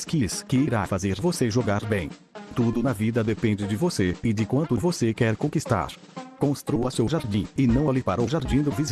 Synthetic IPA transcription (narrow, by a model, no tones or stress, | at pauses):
skiskɪiɾafazeɾvoseʒoɡaɾbẽj̃ | t̪ud̪ʊnɐvid̪ɐd̪epẽnd͡ʒɪd͡ʒɪvoseɪd͡ʒɪkwɐ̃nt̪ʊvosekɛɾkõkist̪a̰ɾ | kõst̪ɾuɐsewʒaɾd͡ʒĩɪnɐ̃w̃alɪpaɾɐʊʒaɾd͡ʒĩd̪ʊviz